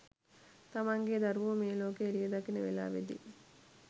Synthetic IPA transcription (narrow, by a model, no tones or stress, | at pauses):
t̪ɐmaŋɡeːd̪ɐɾʋumeːloːkeːɾijɐd̪ɐkːineʋḛla̰ːʋḛd̪ḭ